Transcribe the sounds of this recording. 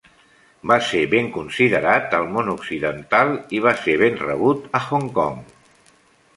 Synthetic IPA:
baseβeŋkunsiðəɾat̪əlˠmonuksiðənt̪alˠiβ̞aseβ̞enrə̰β̞ut̪əxoŋkɔŋ

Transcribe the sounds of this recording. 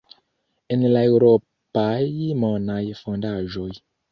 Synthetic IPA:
ɛnilaiɣɾɔ | pajimɔnajifəŋndaʒɔi

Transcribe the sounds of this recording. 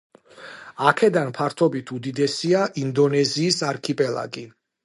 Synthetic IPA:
akʰɛd̪anpʰaɾt̪ʰɔbit̪ʰud̪id̪ɛsiaʔind̪ɔnɛziːsaɾkʰipʼɛlˠa̰ɡi

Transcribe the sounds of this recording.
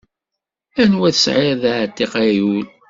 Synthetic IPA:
ænwæθəsʕɪɾðʕt̪ːeqajul

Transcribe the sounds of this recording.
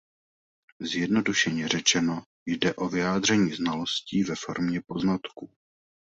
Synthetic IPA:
zjɛdno̞duʃɛɲɛrɛt͡ʃɛno̞ | jdɛʔo̞vɪjaːd̪r̝ɛɲiːznalo̞sciːvɛfo̞̰ɾmɲɛpo̞znat̪ku

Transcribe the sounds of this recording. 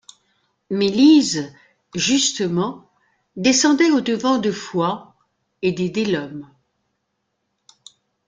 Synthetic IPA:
meliz | ʒyst̪əmɑ̃ | d̪esɑ̃d̪ɛod̪əvɑ̃d̪əfwa | ed̪ed̪elɔm

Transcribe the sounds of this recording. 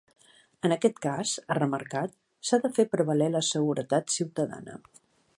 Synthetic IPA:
ənəkɛt̪kazərəməɾkat̪ | saðəfepɾəβəleləsəɣ̞uɾət̪at̪siwt̪əða̰nə̰

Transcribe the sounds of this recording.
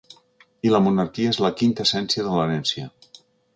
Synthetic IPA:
iləmunaɾkiaezləkint̪əsɛnsiəðələnɛnsijə

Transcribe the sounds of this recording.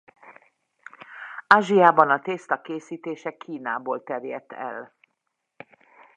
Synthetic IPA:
aːʒijaːbɒnɒt̪eːst̪ɒkeːsiːt̪eːʃɛkʰiːnaːboːlt̪ɛrjɛt̪ːɛ̰l

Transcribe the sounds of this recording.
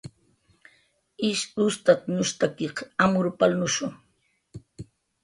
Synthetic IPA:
ɪʃʊst̪at̪ɲʊʃt̪akiqamʊɾpalnʊʃʊŋ

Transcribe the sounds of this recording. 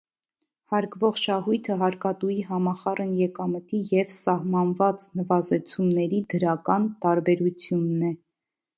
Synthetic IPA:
hɑɾkvɔʁʃɑɦujt̪ʰəɦɑɾkɑt̪ujiɦɑmɑχɑrʔənjɛkɑmət̪ijɛvsɑhmɑnvɑt͡snəvɑzɛt͡sʰumnɛɾid̪əɾɑkɑnt̪ɑɾbɛɾut͡sʰjunːɛ

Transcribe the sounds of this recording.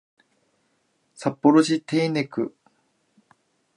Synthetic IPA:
sapːoɾoɕit̪eːne̞kɯ̟̰

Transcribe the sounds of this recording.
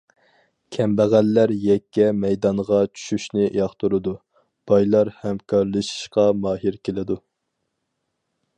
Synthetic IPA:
kʲʰɛmbæʁælːæɾjɛkʲːɛmɛjd̪ɑnʁɑt͡ʃʰy̥ʃyʃnɪʔjɑχt̪ʰuɾɨd̪u | b̥ɑjlˠɑɾhɛmkʰɑɾlˠɨʃi̥ʃqɑmɑːɦiɾkʲelɪd̪u

